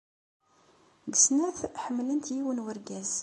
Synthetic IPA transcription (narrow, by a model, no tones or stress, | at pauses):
ɡəsnæθħəmːlənt̪jiwənwəɾɡæz